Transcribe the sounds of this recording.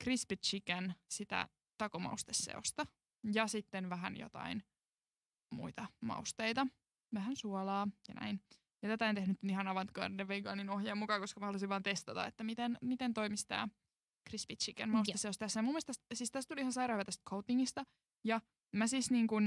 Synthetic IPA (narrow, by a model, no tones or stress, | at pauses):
krispit̪t͡ʃikænsit̪æ̰ | t̪ɑkomɑ̰ust̪esːḛost̪ɑ | jɑsit̪ːenʋæɦænjo̰t̪ɑ̰in | mṵit̪ɑmɑ̰ust̪eit̪ɑ | ʋæɦænsuɔlɑːjɑnæ̰in | jɑt̪æt̪æont̪ehnyt̪ihɑnɑʋɑnt̪kɑ̰ndeʋʋeiɡɑ̰ːninohjɑːmukɑkoskɑmæɑluisiʋʋɑːnt̪est̪ɑt̪ɑ̰ḛt̪ːæmit̪enmit̪ent̪o̞imist̪æ̰ː | krispit̪t͡ʃikænmɑusesːeost̪æsːæjɑmumːest̪æssiːst̪æst̪t̪uliihɑnsɑiɾɑːhyʋæt̪æst̪̚kʰowt̪ːiŋːist̪ɑ | jɑ | mæsiːsniːŋkun